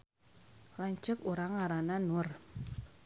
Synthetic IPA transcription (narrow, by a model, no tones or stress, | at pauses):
laɲt͡ʃʊkuɾaŋaɾananʊr